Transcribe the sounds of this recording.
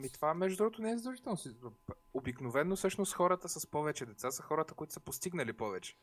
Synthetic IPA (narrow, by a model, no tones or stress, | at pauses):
mit̪ovamɛʒd̪ʊd̪ɾuɡot̪onɛɛzd̪ɐlˠʒit̪ɛlˠnosi | obiknovɛnːosɤʃnost̪xɔɾət̪əsəspɔvɛt͡ʃɛd̪ɛt̪sasəxɔɾət̪əkoit̪ʊ̥spost̪iɡnəlipɔvɛt͡ʃɛ̥